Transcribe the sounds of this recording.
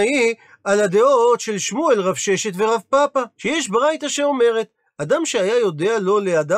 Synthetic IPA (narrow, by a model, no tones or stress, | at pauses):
i | alad̪e̞ot̪ʃe̞lʃmuelʁavʃe̞ʃe̞t̪ve̞ʁavpapaʃejɛʃbʁajt̪aʃe̞o̞me̞ʁe̞t̪ | ad̪amʃeajajo̞d̪ealo̞lead̪a